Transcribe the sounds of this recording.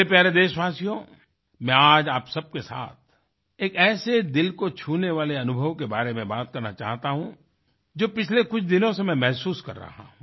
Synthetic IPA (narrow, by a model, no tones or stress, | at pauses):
epjaːɾed̪eːʃʋaːsijõ | mɛ̃aːd͡ʒaːpsɐb̚kesa̰ːt̪̚ʰ | eːkɛːsed̪ɪlkot͡ʃʰuːneʋaːleɐnʊbʱəʋkebaːɾemẽbaːt̪̚kɐɾnat͡ʃa̰ːɦt̪aɦũ | d͡ʒoːpɪt͡ʃʰlekʊt͡ʃʰd̪ɪnõsemɛ̃mɛɦsuːskɐ̰ɾːa̰ɦã̰ː